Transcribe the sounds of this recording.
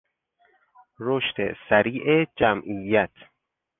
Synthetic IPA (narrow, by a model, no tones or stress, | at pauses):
ɾoʃt̪ʰḛsæɾiːʔed͡ʒæmʔijːæt̪ʰ